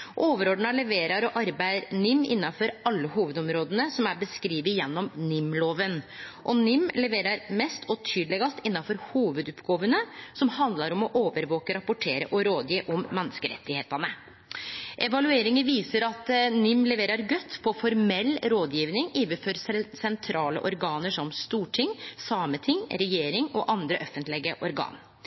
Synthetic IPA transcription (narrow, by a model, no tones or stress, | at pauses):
ʔoːʋəɾoːd̪ɳ̩ɑlɛʋeːɾɑɾɔʔɑɾbæɪɾnʏmːɪ̰nːɑfɔɾɑlːəhuːʋəd̪ɔmɾoːd̪ənəsɔmæɾbəskɾiːʋɪjɛnːɔmnʏmːloːʋənʔɔnʏmːlɛʋeːɾɑɾmɛst̪ɔt̪ʰyːd̪əlɛɡɑst̪ɪnːɑfɔɾhuːʋʉd̪ʉpɡoːʋənəsɔmhɑnd̪lɑɾɔmɔʔoːʋəɾʋoːkəɾɑpːʊʈʰeːɾə̰ʔɔɾoːd̪jiːʔɔmːɛnːskəɾɛ̰t̪ːɪhḛːt̪ɑnə | ʔɛʋɑlʉeːɾɪŋənʋiːsəɾɑt̪nʏmlɛʋeːɾəɾɡœt̪ːpʰɔfɔɾmɛlːɾoːd̪jiːʋnɪŋiːʋəfɔɾssɛnt̪ʰɾɑːlə̰ʔɔɾɡɑːnəʂɔmst̪uːʈʰɪŋsɑːmət̪ʰɪŋɾɛjeːɾɪŋɔʔɑnd̪ɾəʔœfənt̪lɪɡəʔɔɾɡɑ̰ːn